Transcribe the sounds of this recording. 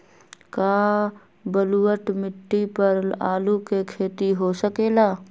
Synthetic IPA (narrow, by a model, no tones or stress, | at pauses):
kaː | bəluːəʈmɪʈːipɐɾa̰ːlukekʰeːt̪iɦosəkeːlaː